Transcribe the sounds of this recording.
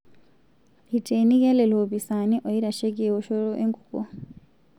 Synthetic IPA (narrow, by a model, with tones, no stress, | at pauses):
iteni˦ja˦le˨lo˨βisa˨ni˦ʔo˨jiɾa˨ʃe˦ɡi˨o˨ʃo˦ɾo˦ʔeŋɡu˨ko̰